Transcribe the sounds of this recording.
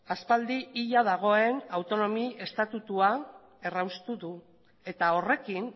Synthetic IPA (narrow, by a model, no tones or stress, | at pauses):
aspald̪iiʎað̞aɣ̞o̞e̞nawt̪o̞no̞mie̞st̪at̪ut̪ua | e̞rawst̪uðu | e̞t̪ao̞re̞kin